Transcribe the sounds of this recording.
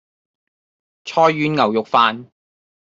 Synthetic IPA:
t͡ʃʰɔː˥jːyː˥nŋɐ˨˩wjʊ˨k̚faː˨˧n

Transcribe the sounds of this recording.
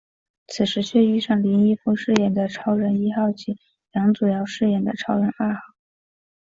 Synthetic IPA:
t͡sʰɹ̩˨˩ʂɻ̩˧˥t͡ɕʰɥɛ˥˧y˥˧ʂɑ˥˩ŋli˧˥ni˥˧fu˥˧ʂɻ̩˥˧jɛ˥˩nd̪ə˩ʈ͡ʂʰɑ˥ʊɻə˧˥ni˥xɑ˥˩ʊt͡ɕʰi˧˥˩ | jjɑ˧˥ŋt͡su˨˩jɑ˥˧ʊʂɻ̩˥˧jɛ˥˩nd̪ə̰˩ʈ͡ʂʰɑ˥ʊɻə˧˥na˥˧xɑ˥˩ʊ

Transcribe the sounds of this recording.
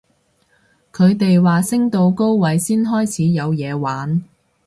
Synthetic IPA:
kʰɵ˨˧ɥt̪e˨jwaː˨sɪ˥ŋt̪o˧wko˥wwɐ˨˧˥jsiː˥nɦɔː˥jt͡sʰiː˨˥jɐ˨˧wjɛː˨˧waː˨˥n

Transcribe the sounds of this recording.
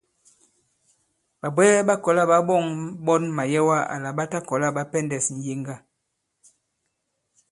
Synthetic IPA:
ɓa˨bwɛː˦ɓa˦kɔ˨la˦˨ɓa˦ɓɔ˦˨ŋɓɔ˦nma˨jɛ˦wa˦a̰˨la˨ɓa˦ta˦kɔ˨la˦ɓa˦pɛ˦ndɛ˨sn̩˨je˦ŋɡa˦˨

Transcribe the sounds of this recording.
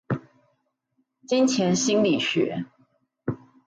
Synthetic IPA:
t͡ɕi˦nt͡ɕʰjɛ˨˧˥nɕi˥nli˨˩ɕɥɛ̰˧˦

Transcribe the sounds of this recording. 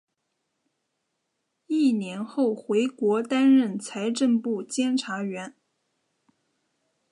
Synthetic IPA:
i˥˩njɛ˧˥nxo˥˩ʊxwe˧˥ɪkwɔ˧˥t̪a˥nɻə˥˩nt͡sʰa˧˥ɪʈ͡ʂə˥˧npu˥˩t͡ɕjɛ˥nʈ͡ʂʰa˧˥ɥɛ˧˥n

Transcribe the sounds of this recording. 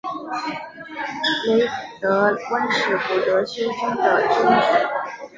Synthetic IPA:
le˧˥ɪfu˨˩t̪ɤ˧˥wə˥nʂɻ̩˨˩pu˨˩t̪ɤ˧˥ɕɥɛ˥nʈ͡ʂʊ˥ŋd̪ə˨ʈ͡ʂʊ˥ŋʈ͡ʂu˨˩˦

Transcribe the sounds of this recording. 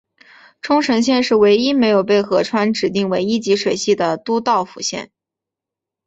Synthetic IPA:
ʈ͡ʂʰʊ˥ŋʈ͡ʂʰɤ˧˥ŋɕ̬jɛ˥˧nʂɻ̩˥˩we˧˥ɪi˥me˧˥ɪjo˨˩ʊpe˥˩ɪxɤ˧˥ʈ͡ʂʰwa˥nʈ͡ʂɻ̩˨˩t̪i˥˩ŋwe˧˥ɪi˥t͡ɕi˧˥ʂwe˨˩ɪɕi˥˩d̪ə˩t̪u˥t̪ɑ˥˩ʊfṵ˨˩ɕjɛ̰˥˩n

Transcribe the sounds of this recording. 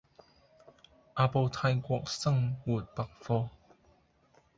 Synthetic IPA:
ʔa˧po˧t̪ʰa˧jkwɔ˧k̚sa˥˨ŋwu˨˩t̚pa˨k̚fɔ˧

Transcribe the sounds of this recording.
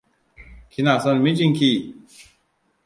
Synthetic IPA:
kʰi˧˨na˨so˧nmi˦˥t͡ɕi˥˧ŋkʰi˧

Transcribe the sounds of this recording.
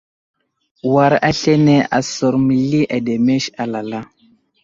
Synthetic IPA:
wa˨ɾa˦ɬe˦ne˦a̰˨so˨ɾmi˨li˦ʔa˨de˨me˦ʃa˨la˨la˦

